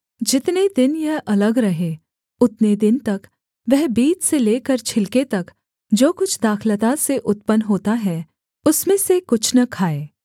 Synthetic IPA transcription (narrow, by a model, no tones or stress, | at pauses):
d͡ʒɪt̪ned̪ɪnjɐɦʔɐləɡɾɐɦẽː | ʊt̪ned̪ɪnt̪ɐk | ʋɛɦbiːt͡ʃseleːkəɾt͡ʃʰɪlket̪ɐk | d͡ʒoːkʊt͡ʃʰd̪aːxʰlət̪aseʔʊt̪̚pənɦoːt̪aɦɛː | ʊsmẽsekʊt͡ʃʰnɐkʰaːeː